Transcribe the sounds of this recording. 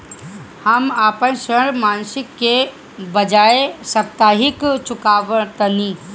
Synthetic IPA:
həmaːpənʃəɽmaːnsɪkːe | bəd͡ʒaːesək̚t̪aːɦɪkt͡ʃʊkaːʋəɾt̪əniː

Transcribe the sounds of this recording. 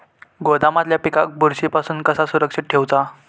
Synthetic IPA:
ɡod̪amat̪ljapikak̚buɾɕipasuːnkəsasuɾəkʂiʈ̪̚ʈʰewt͡sa

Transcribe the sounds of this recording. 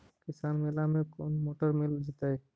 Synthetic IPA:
kɪsaːnmelamẽkonmoːʈəɾmɪld͡ʒet̪aɦɛ

